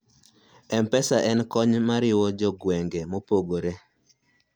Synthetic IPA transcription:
ɛmpɛsaʔɛnkɔɲmaɾɪwɔd͡ʒɔɡwɛŋɡemopoɡoɾe

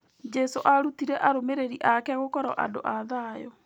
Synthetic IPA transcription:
d͡ʒɛsoʔaɾutiɾɛʔaɾomeɾeɾiʔakɛɣokɔɾɔʔa̰do̰ʔaðajɔ

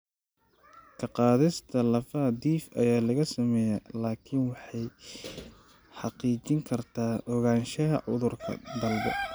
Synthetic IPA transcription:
kʰɐqɑːðɪst̪ʰɐlɐfɐd̪iːfʔɐ̰jaːlɐɣɐsɐmɛjɐlaːkʰɪnwɑħɑj | ħɑqiːt͡ʃɪŋkʰɐrt̪ʰaːʔɔɣaːnʃɐɦɐʕʊ̰ðʊrkʰɐ̰d̪ɐlbɛ̰

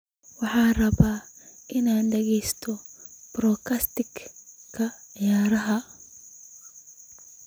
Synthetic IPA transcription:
wɑħɑːrɐβaːʔɪnaːnɖɛɣɛjst̪ʰɔb̥ɾɔːkʰɐst̪ɪɡkʰːɐjaːɾɐɦɐ

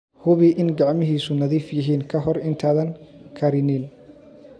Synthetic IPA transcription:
hʊβɪʔɪnɡɑʕmɪɦiːsʊnɐðiːfjɪɦiːnkʰɐɦɔrɪnt̪ʰaːðɐnkʰɐɾɪnɪn

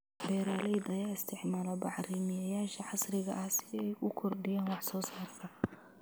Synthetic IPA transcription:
bɛːɾaːlɛjd̪ɐjaːɪst̪ʰɪʕmaːlɔbɑħriːmɪjɐjaːʃɐħɑsrɪɣɐ̰ʔɐhsɪɛjkʊkʰɔrd̪ɪjaːnwɑħsɔːsaːrk̪ʰɐ

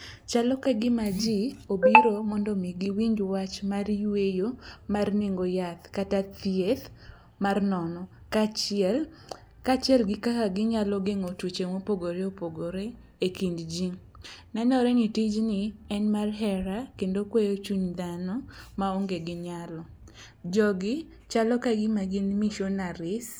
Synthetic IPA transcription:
t͡ʃalɔkaɡɪmad͡ʒiobiɾomɔndɔmiɡiwiŋɡwat͡ʃmarjwejomarniŋɡojat̪katat̪iet̪ | marnɔnɔ | kat͡ʃɛl | kat͡ʃɛlɡɪkakaɡɪɲalɔɡeŋotwut͡ʃemopoɡoɾeopoɡoɾe | ekindd͡ʒiŋ | nɛnɔɾɛnitid͡ʒnɪɛnmarɦɛɾakendokwejot͡ʃuɲd̪anɔmaoŋɡeɡɪɲalɔ | d͡ʒɔɡɪ | t͡ʃalɔkaɡɪmaɡɪnmiʃɔnaɾɪs

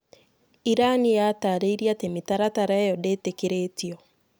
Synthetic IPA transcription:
iɾanijataɾeiɾiatemitaɾataɾajɔdeːtekeɾeːtiɔ

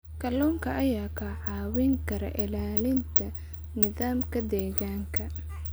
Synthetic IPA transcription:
kʰɐluːŋkʰɐʔɐjaːkʰɐʕɑːwɪŋkʰɐɾɐ̰ʔɪlaːlɪnt̪ʰɐ | nɪðaːmkʰɐd̪ɛːɣaːŋkʰɐ

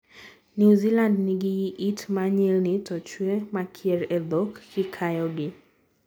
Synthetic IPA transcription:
njuzilandnɪɡɪjiʔitmaɲɛlnɪtɔt͡ʃwemakʰjɛɾɛd̪ɔkːɪkʰajɔɡɪ

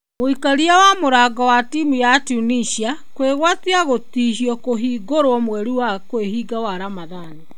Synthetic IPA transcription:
moikaɾiawamoɾaːɡawatiːmujatuniʃiakweɣwatiaɣotiːɦiɔkoɦiːɡoɾwɔmwɛɾiwakweɦiːɡawaɾamaðane

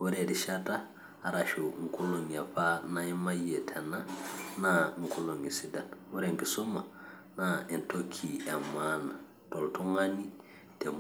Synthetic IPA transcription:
wuɾediʃataː | ɾaʃuŋ̩kuloŋafanaimajetʰenanaŋ̩kuloŋisidanwuɾeŋkisoma | naintokʰiamana | toltuŋani | tem

